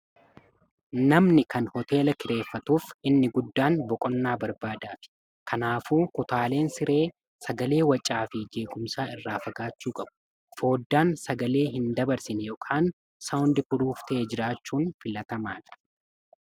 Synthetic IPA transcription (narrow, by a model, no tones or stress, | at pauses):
nɐmnɪkɐnhɔt̪e̞ːlɐkɪɾe̞ːfːɐt̪uːfɪnːɪɡʊd̪ːaːnbɔkʼɔnːaːbɐɾbaːd̪aːfɪ̥ | kʰɐnaːfuːkʊt̪aːle̞ːnsɪɾʔe̞ː | sɐɡɐle̞ːwɐt͡ʃʼːaːfɪd͡ʒe̞ːɡʊmsaːɪrːaːfɐɡaːt͡ʃːuːkʼɐbʊ̥ | fo̞ːd̪ːaːnsɐɡɐle̞ːɦɪnd̪ɐbɐɾsɪnjɔːkʰaːn | sɐwʊnd̪ɪfʊɾuːft̪ɐʔeːd͡ʒɪɾaːt͡ʃːuːnfɪlɐt̪ɐmaːᶑɐ̥